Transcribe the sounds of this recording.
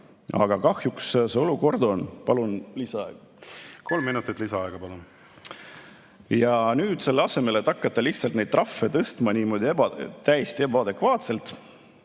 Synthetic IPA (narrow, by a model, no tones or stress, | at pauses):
ɑ̰ɡ̥ɑkɑhjuksseo̞luko̞rd̪o̞npɑlunlisɑɑeɡ̥ɑ | ko̞lmːinut̪ːˑit̪lisɑɑeɡ̥ɑpɑlun | jɑnyːd̪̥se̞lːeɑse̞me̞let̪ːɑkːɑt̪ˑːɑliht̪sɑlt̪ned̪̚tːrɑfːe̞t̪ɤst̪mɑniːmo̞ːd̪̥ʲiebɑt̪æjest̪iebɑɑd̪e̞kvɑːt̪se̞lt̪ˑ